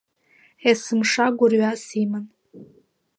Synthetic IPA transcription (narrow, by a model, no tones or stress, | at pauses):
esɨmʂaɡʷʊrɥasiman